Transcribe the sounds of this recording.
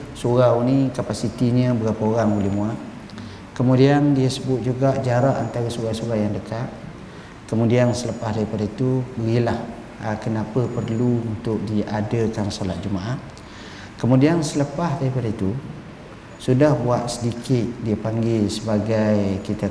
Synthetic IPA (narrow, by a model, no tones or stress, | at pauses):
suɾawnikapasit̪iɲə̃bəɡapaoɾaŋbulɪhmũaʔ | kəmudiandiəsəbʊt̪̚d͡ʒuɡaʔd͡ʒaɾaʔant̪aɾasuɣawsuɣawjaŋdəkat̪̚ | kəmũdiansələpahdaɾipadait̪ubəɡilah | əkənapəpərluunt̪ʊk̚diadəkansola̰t̪̚d͡ʒumaʔaʔ | kəmudiansələpahdaɾipadait̪u | sudahbuat̪̚sədikɪt̪̚diəpaŋɡɪlsəbaɡajkit̪a